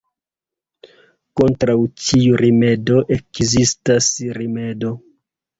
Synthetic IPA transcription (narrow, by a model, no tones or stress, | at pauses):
ko̞ntɾawt͡ʃiuɾime̞do̞ʔekzistasɾime̞do